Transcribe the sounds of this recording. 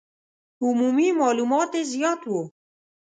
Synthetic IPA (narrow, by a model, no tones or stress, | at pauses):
humuːmiːmɑːluːmɑːt̪ezijɑːt̪wo